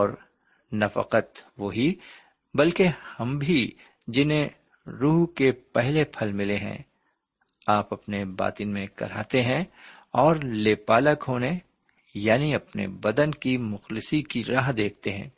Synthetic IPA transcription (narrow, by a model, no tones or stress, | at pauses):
ɔːɾ | nɐfə̰qət̪ʋoɦi | bɐlkehɐ̃mbʱi | d͡ʒɪnẽ | ɾuːɦkepɛɦlepʰɐlmɪleɦɛ̰̃ | aːpɐpneba̰ːt̪ɪnmẽkɐ̰ɾa̰ːt̪eɦɛ̃ | ɔːɾleːpaːləkɦoːne | jaːniɐpnḛbɐd̪ənkimʊxlɪsikiɾaːɦd̪eːk̚ʰt̪eɦɛ̰̃ː